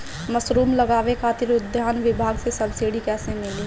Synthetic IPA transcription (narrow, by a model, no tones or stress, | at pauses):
məsɾuːmləɡaːʋekʰaːt̪ɪɾʊd̪ʱjaːnʋɪbʱaːɡsesəbsɪɽikɛːsẽmɪleː